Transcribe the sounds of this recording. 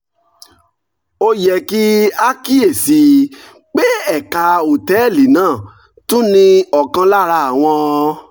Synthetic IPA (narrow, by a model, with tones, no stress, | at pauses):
o˧jɛ˨ki˦a˦ki˦e˦˨si˨˦ | k͡pe˦ɛ˦˨ka˧o˨tɛ˨˦˨li˨˦nãː˦˨ | tũ˦nĩ˧ɔ˨kã˧la˦ɾa˧˨a˨w̃ɔ̃˧